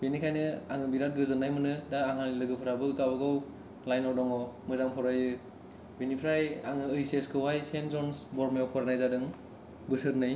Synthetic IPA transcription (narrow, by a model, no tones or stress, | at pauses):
benikʰajnɯaŋɯbiɾat̚ɡɯzɯnːajmɯnɯdaːŋɦanlɯɡɯpʰɯɾabɯkabɯɡaw | lajnɔdɔŋɔmɯzaŋpʰɔɾajɯ | benipʰɾajaŋɯɯjseskʰɯwajsenzɔnsbɔɾmiɔwpʰɔɾanajzadɯŋ | bɯsɯɾnɯj